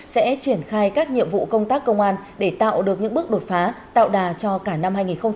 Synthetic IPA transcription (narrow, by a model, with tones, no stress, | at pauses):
sɛ̰˧˥t͡ɕi˧˩ənxaː˧jkaː˦˥k̚ɲḭ˧˨əmvṵ˧˨kə˧wŋ͡mt̪aː˦˥k̚ːə˧wŋ͡mʔaː˧nɗe˧˩t̪a̰ː˧˨wɗɨ˨˩ək̚ɲɨ̰˧˥ŋɓɨ˦˥ək̚ɗo˨˩t̚faː˨˦t̪a̰ː˧˨wɗaː˨˩t͡ɕɔ˧kaː˧˩na˧mɦaː˧jŋi˨˩nxə˧wŋ͡m